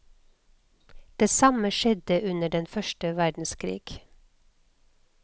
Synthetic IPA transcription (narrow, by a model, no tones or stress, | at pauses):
d̪̥eːsɑməʃɛd̪əʔʉnəɖɛnfœʃʈəʋæɖn̩skʰɾḭːɡ̥